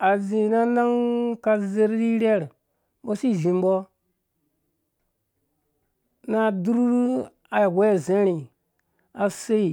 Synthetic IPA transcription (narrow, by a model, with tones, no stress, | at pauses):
a˨zi˨na˦na˦ŋka˨ze˦ɾɾi˦ɾe˦ɾ | ɓo˦si˦˨ʒi˨mbo˦ | na˦˨du˦ɾɾ | a˨we˦˨ze˦ɾi˨ | a˨se˦i˨